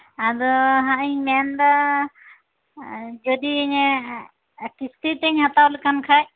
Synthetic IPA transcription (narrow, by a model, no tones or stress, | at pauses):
ad̪ɔɦãiɲmɛnd̪a | d͡ʒɔd̪iɲɛ | kist̪it̪ɛɲɦat̪awlkamkʰaj